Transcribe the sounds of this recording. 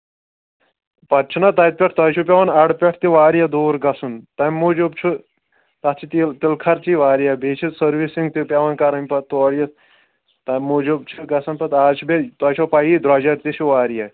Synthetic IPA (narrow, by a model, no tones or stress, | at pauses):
pɐt̪̚t͡ʃʰunɐt̪ɐjt̪̚pʲeʈʰt̪ɐːt͡ʃʰupʲɐʋɐnɐɽpʲeʈʰt̪iʋaːɾjɐd̪oːɾɡɐsunt̪ɐmːud͡ʒubt͡ʃʰu | t̪ɐt͡ʃʰit̪it̪ilkʰɐɾt͡ʃiʋaːɾjɐbʱeːt͡ʃʰisɐɾʋisiŋɡt̪ipʲɐʋɐnkɐɾɐmʲpɐt̪oːɽjɐ | t̪ɐmːud͡ʒubt͡ʃʰuɡɐsɐnpɐt̪aːt͡ʃʰibet̪ɐːt͡ʃʰopɐjid̪ɾɐːd͡ʒɐɾt̪it͡ʃʰiʋaːɾjɐ